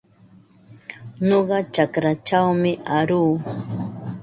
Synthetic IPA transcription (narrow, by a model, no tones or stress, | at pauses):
ɲoɢɑt͡ʃakɾat͡ʃawmɪʔaɾuː